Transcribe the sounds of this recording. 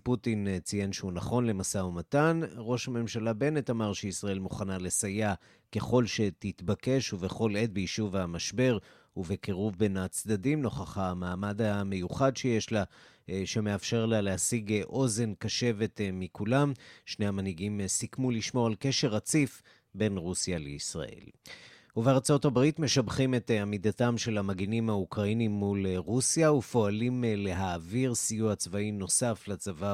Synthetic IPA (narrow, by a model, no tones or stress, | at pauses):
putint͡sijenʃeunaχo̞nle̞masaumatanʁo̞ʃhame̞mʃalabe̞ne̞tamaʁʃeisʁae̞lmuχanalesaja | ke̞χo̞lʃe̞tit̪bake̞ʃuveχo̞le̞t̚bejiʃuvamaʃbe̞ʁ | uvekeʁuvbe̞nat͡sd̪adimno̞χaχamaːmadame̞juχadʃeje̞ʃla | ʃeme̞afʃe̞ʁlalehasiɡʔo̞ze̞nkaʃe̞ve̞tmikʰulamʃne̞jhamanhiɡimsikmuliʃmo̞alke̞ʃe̞ʁat͡sif | be̞nʁusjalḛisʁa̰ʔḛl | uveaʁt͡so̞tabʁitme̞ʃabχime̞t̪amidatamʃe̞lamaɡinimhaukʁainimːulʁusjaufo̞alimle̞ɦaːviʁsijuat͡svaino̞saflat͡sava